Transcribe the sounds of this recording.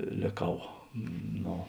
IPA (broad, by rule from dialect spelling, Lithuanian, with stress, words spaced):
lʲeːˈkɐʊ ˈnoː